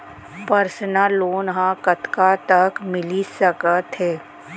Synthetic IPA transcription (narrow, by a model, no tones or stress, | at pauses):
pəɾsənalːoːnɦãkɐt̪kat̪ɐkmɪlisəkət̪ɦɛː